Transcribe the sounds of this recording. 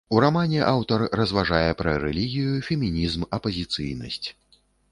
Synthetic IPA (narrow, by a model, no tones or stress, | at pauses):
uɾamanʲɛʔawt̪ɐrrɐzvaʐajɛpɾɐɾɛ̰lʲiɣʲijufʲɛmʲinʲizmɐpɐzʲit̪sɨ̰jnɐ̰sʲt͡sʲ